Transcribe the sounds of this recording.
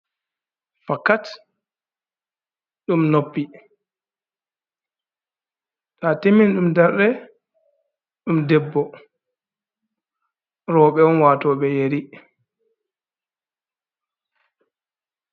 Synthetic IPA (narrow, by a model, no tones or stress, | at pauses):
fakːat | ɗumnopːi | tateminɗumdɛɾɗɛ | ɗumdɛbːɔ | ɾɔːɓɛɔnwaːtɔːɓɛjeɾi